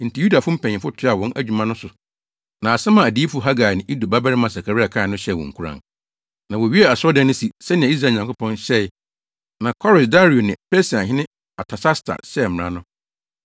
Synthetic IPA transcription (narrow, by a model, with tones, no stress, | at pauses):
n̩˨tʰi˨ju˦da˨fʊ̃˦m̩˦pʰɛ̃˨ɲɪ̃˨fʊ˦tʰʊ˦a˨wɔ̃˦nʔæ˦d͡ʑᶣu˨mã˦nʊ̃˦sʊ˨ | nã˨sɛ˦mã˨æ˨di˦fʊ˦ɦa˦ɡa˨nɪ̃˨ʔi˦du˨ba˦ba˦ɾɪ˦mã˨sa˨kʰa˨ɾɪ˦a˨kʰãː˦˨nʊ̃˦ɕɛ˦˨wɔ̰̃˨ŋ̩˨kʰu˦ɾã̰˨n | nã˨wɔ˨ɥi˦ɛ˦a˨sʊ˦ɔ˦dɛ̃˦nʊ̃˦si˨sɛ˦nɪ̃˨ã˨˦i˦s̬ɾa˨ɲã˨ŋkʰʊ˦pʰɔ̃˦nɕɛ˦˨ | nã˨kʰɔ˦ɾɪ˨sda˦ɾi˨o˨nɪ̃˨pʰɛ˦si˨ã˨ɦɪ̃˦nɪ̃˦ | a˨tʰa˨sa˦stʰa̰˨sɛ˦˨m˨ã̰˦nʊ̃˦